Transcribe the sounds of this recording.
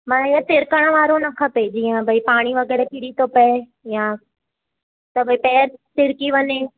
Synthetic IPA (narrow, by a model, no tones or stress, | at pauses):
mɐ̃nɪjə̃sɪɾkəɽ̃əʋaːɾonɐkʰɐped͡ʑiːə̃bʱɐipaːɽ̃iʋɐɣɛːɾɛkɪɽit̪ʰopɐe | jã | t̪ɐbʱɐipɛːɾsɪɾkiʋɐɲe